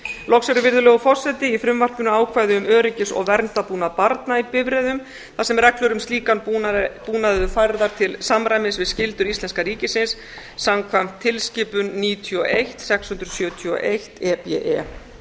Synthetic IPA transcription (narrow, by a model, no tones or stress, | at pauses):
lɔksɛɾʏvɪɾðʏlɛːɣʏfɔr̥sɛt̪ɪifɾʏmvar̥pʏnːʏaːwkʰvajðʏʏmœːɾɪcɪsɔ̰ɣvɛɾnt̪apuːnaðpaɾt̪naipɪvɾɛðʏm | θasɛmrɛklʏɾʏmst̪liːkanpuːnaðʏfajɾðaɾ̥t̪ʰɪlsamɾajmɪnsvɪðscɪlt̪ʏɾist̪ɛnskaɾiːcɪsɪnsː | amkʰvam̥t̪ʰːɪlscɪːpʏnːiːt̪ʰjɔʔejht̪sɛkshʏnt̪ɾʏsjœːt̪ʰjɔ̰ʔejht̪ɛpɛ̰ʔɛ